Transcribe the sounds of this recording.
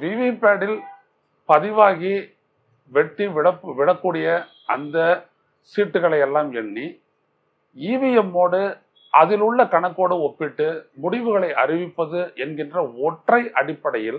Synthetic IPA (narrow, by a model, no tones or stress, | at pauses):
ʋiʋiːpːaːɽɪl | pɐðɪʋaːɣi | ʋɛʈːiʋɭɐpːɯʋɪɻɐkːuːɽɪjɐ | ʔɐ̰nd̪ɐ | siːʈːɯɣɐɭɐɪɛlːaːmɛɳːi | iːʋɪjɐmːoːɽɯ | ʔɐðɪlɯɭːɐkɐɳɐkːoːɽɐɔpːɪʈːɯmʊɽɪʋɯɣɐɭɐɪʔɐ̰ɾɪʋɪpːɐðɯʔɛnɡɪndrɐɔʈrɐɪʔɐɽɪpːɐɽɐjɪl